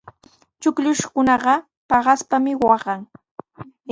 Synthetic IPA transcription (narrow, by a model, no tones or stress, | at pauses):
t͡ʃʊkʎʊʃkʊnɑɢɑ | pɑɢɑspamɪwɑɢɑŋ